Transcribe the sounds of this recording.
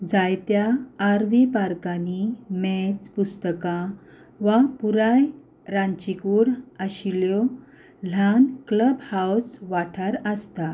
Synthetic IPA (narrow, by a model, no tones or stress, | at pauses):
d͡zajt̪jaːɾʋipaɾkanimɛt͡spust̪əkã | ʋapuɾaj | ɾãnt͡ɕikuːɽəɕiljɔ | l̤ankləbhawsʋaʈʰaɾəst̪a